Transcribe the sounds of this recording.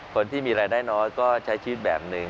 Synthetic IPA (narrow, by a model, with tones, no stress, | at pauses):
kʰo˧˦nt̪ʰiː˥˩miː˧ɾaː˧jdaː˥˩jnɔː˦˥jkɔː˥˩t͡ɕʰa˨˦˥jt͡ɕʰɯː˦˥˩t̪̚bɛː˨˩p̚nɯ˨˧ŋ